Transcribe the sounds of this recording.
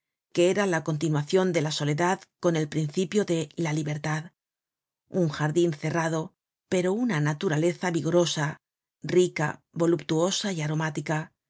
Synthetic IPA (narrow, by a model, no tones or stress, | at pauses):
keeɾalako̞nt̪̬inwaθjo̞nd̪e̞laso̞le̞ðaðko̞ne̞lpɾinθipjo̞ðe̞laliβe̞ɾt̪að | uŋxaɾðinθe̞raðo̞ | pe̞ɾo̞unanat̪uɾale̞θaβiɣo̞ɾo̞sa | rika̰ | βo̞lupt̪uo̞saiaɾo̞mat̪ika